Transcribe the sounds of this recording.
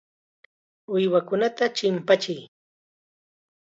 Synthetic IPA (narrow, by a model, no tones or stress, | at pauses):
ʊjwakʊnat̪at͡ʃɪmpat͡ʃɪj